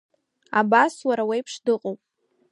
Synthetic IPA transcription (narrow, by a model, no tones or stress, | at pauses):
abaswaɾawajpʰʂdɨqʼowpʼ